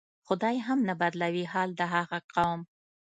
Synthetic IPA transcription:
xʊd̪ɑjɦamnabad̪lawiɦɑld̪əɦaɣaqawm

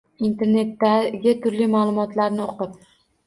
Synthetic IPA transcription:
int̪ʰe̞ɾne̞t̪ːaɡʲɪt̪ʰʊɾlimalˠʊmɒt̪laɾnɪoqɨp̚

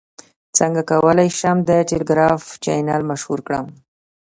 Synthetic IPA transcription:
t͡səŋɡakawəlajʃamd̪əʈelɪɡɾɑft͡ʃa̰jnalmaʃhuɾkɽəm

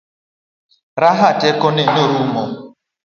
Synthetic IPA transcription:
ɾaɦatekonenoɾumo

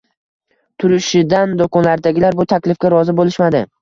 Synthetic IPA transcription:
t̪ʰʊɾɪʃɪd̪and̪okʰɒnlaɾd̪aɡʲɪlaɾbʊt̪ʰakʲlɪfɡʲaɾɒzɪbolɪʃmad̪ɪ

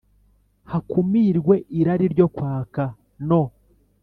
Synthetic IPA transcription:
hakumiːɾɡwe̞ʔiɾaɾiɾɟo̞kwaːka | no̞

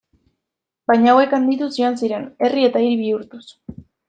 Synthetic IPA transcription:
bajɲaawe̞kand̪it̪usioansiɾe̞ne̞rie̞t̪aiɾβiuɾt̪us

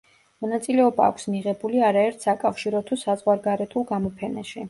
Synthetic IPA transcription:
mɔnat̪sʼilɛɔba̰ːkʷʰsmiʁɛbuliaɾaɛɾt̪ʰsakʼafʃiɾɔt̪ʰusazʁwaɾɡaɾɛt̪ʰulˠɡamɔpʰɛna̰ʃi

